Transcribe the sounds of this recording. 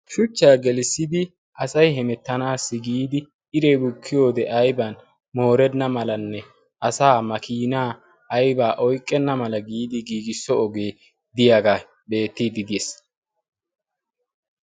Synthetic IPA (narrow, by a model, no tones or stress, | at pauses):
ʃʊt͡ʃːaːɡɛlɪsːɪd̪ɪ | ʔɐsɐjɦɛmɛt̪ːɐnaːsːɪɡiːd̪ɪ | ɪɾebʊkʰːɪjo̞ːd̪ɛʔɐjbɐn | mo̞ːɾɛnːɐmɐlɐnːɛ | ʔɐsaːmɐkiːnaː | ɐjbaːʔɔjkʼːɛnːɐmɐlɐɡiːd̪ɪɡiːɡɪsːɔɔɡeː | d̪ɪjaɡa | be̞ːt̪ːiːd̪ɪd̪es